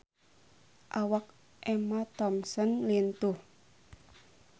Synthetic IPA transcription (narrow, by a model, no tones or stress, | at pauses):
ʔawak̚ | ʔɛmat̪ɔmsɔnlint̪uh